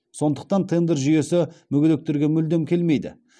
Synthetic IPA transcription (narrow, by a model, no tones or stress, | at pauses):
so̞nd̪əq̚t̪ɑnt̪ʰend̪eɾʒʏje̞sɪmʏɡʲʏd̪ek̚t̪eɾɡʲe̞mʏld̪emkʲʰe̞lme̞jd̪ɪ̰